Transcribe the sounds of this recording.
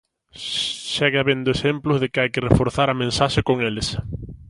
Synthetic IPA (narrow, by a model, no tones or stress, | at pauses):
ʃɛɣɪaβend̪oesemplʊzðekɪajkɪrefoɾθaɾɐmẽnsaʃekoŋelɪs